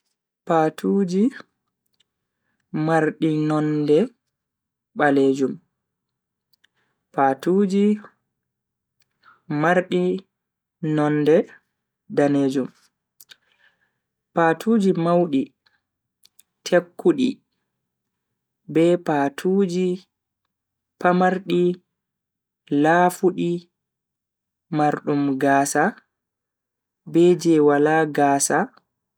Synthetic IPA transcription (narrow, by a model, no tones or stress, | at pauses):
patʰuːd͡ʒi | maɾɗinɔndɛ | ɓaleːd͡ʒum | patuːd͡ʒi | maɾɗi | nɔnːdɛ | daneːd͡ʒum | patʰuːd͡ʒimawɗi | tʰekːuɗḭ | bɛpaːtʰuːd͡ʒi | pamaɾɗi | laːfuɗi | maɾɗumɡaːsa | bɛd͡ʒɛwalaːɡaːsa